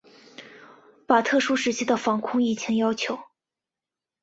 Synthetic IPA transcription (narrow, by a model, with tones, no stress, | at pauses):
pa˨˩t̪ʰɤ˥˩ʂu˥ʂɻ̩˧˥t͡ɕʰi˥d̪ə˨fɑ˧˥ŋkʰʊ˥˧ŋi˥˩t͡ɕʰjɛ˧˥njɑ˥ʊt͡ɕʰjo˧˥ʊ